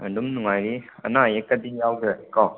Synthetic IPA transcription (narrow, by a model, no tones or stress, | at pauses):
ədumnuŋajɾia̰najekːad̪ijawdɯkɔ